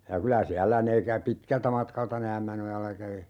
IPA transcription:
jɑ kylæ siælːæ ne kæ pitkæltæ mɑtkɑltɑ ne æmːænojɑlːɑ kæʋi

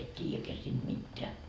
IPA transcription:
et tʲiːjækeæ siːnd̥ mitːeæ

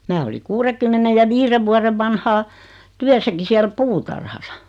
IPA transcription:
mæː oli kuːrekymːenej jɑ ʋiːre ʋuɑreʋ ʋɑnhɑː tyæsæki siæl puːtɑrhɑsɑ

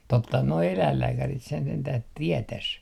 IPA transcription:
totːɑhɑn noi elæilːæːkærit sen sentæh tietæs

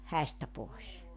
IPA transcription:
hæistæ poˑes

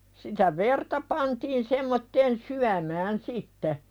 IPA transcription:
sitæ ʋertɑ pɑntiːn semːotːeːn syæmæːn sitːe

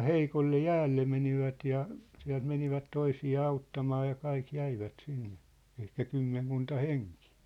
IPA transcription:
heikolːe jæːlːe meniʋæt jɑ siæ̝lt meniʋæt toisiɑː ɑutːɑmɑː jɑ kɑik jæiʋæt sinːe̥ ehkæ kymːeŋkuntɑ heŋki̥ː

